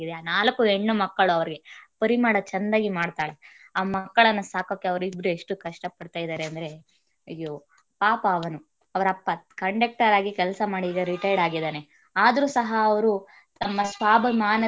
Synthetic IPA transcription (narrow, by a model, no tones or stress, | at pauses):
id̪eaːnaːlɐkːueɳːumɐkːɐɭuɐʋɐɾiɡe̞pɐɾimaːɽɐt͡ʃɐnd̪aːɡimaːɖt̪aːɭe | aːmɐkːɐɭɐnːɐsaːko̞ːkːeɐʋɐɾuibɾueʂʈukɐʂʈɐpɐɽt̪aːjd̪aːɾeɐnd̪ɐɾe̞ | ɐjo | paːpɐːʋɐnu | ɐʋɐɾɐpːɐkɐɳɖɐk̚ʈɐɾaːɡikɛlsɐmaːɽiːɡɐɾiʈɐjɖaːɡid̪aːne̞ | aːd̪ɐɾuːsɐɦɐːʋɐɾu | t̪ɐmːɐsʋaːbʱɐmaːnɐ